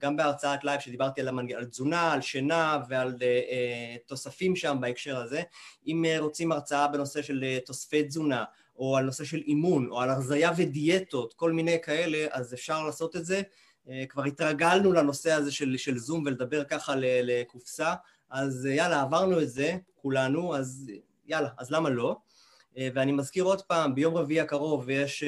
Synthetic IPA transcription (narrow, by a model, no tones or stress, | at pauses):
ɡambeaʁt͡saat̪lajfʃed̪ibaʁt̪ialamanalzunaːlʃenave̞alet̪o̞safimʃambaekʃe̞ʁaze̞imʁo̞t͡simaʁt͡saabe̞no̞se̞ʃe̞lt̪o̞sfejtzuna | oalno̞se̞ʃe̞limuno̞̰alaʁzajavedie̞t̪o̞t̪ko̞lmine̞jkae̞le̞ʔazefʃaʁlaːso̞t̪e̞tze̞ | kvaʁit̪ʁaɡalnulano̞se̞aze̞ʃelʃelzumveled̪abe̞ʁkaχalelekufsaː | zjalaːvaʁnuetze̞kulanuaz | jalaːzlamalo̞ | veanimazkiʁod̪paːmbejo̞mʁeviiakaʁo̞vjeʃ